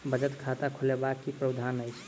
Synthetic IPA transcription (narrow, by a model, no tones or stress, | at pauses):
bəd͡ʒət̪kʰat̪akʰolebakːipɾəd̪ʱanəjt͡ʃʰ